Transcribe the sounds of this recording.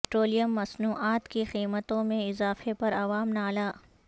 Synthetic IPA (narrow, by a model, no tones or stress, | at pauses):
ʈɾoːlijəmːɐsnuːʔaːt̪kixiːmət̪õmẽɪzaːfepɐɾɐʋaːmnaːlaː